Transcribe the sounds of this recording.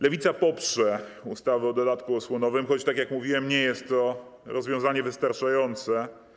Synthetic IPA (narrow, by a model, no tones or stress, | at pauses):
lɛvʲit̪sapɔpʂɛust̪avɛɔd̪ɔd̪at̪kuɔswɔnɔvɘmxɔt͡ɕt̪akʲjakmuvʲiwɛmɲɛjɛst̪ːɔɾɔzvʲjɔ̃w̃zaɲɛvɘst̪aɾt͡ʂajɔnt̪sɛ